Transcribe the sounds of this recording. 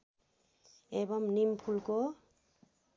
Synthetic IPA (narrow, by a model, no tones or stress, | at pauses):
ɛbɔmnimpʰulkɔ